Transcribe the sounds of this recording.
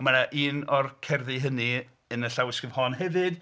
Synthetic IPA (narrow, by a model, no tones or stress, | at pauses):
maɾaʔiːnɔrkʰɛrðɨɦəni | ənəɬawɪskəvhɔnɦɛvɨd̥